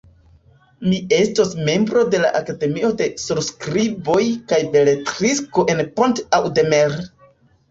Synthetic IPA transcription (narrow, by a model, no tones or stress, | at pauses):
mie̞stosme̞mbɾo̞de̞la̰ʔakade̞mio̞de̞suɾskɾibo̞jkajbe̞letɾisko̞ʔe̞npontawde̞meɾ